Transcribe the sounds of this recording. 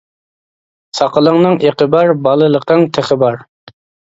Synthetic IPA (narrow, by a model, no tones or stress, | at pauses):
sɑqəlˠəŋnɨŋeqəbɑɾbɑlˠəlˠəqʰəŋt̪ʰɪχəbɑɾ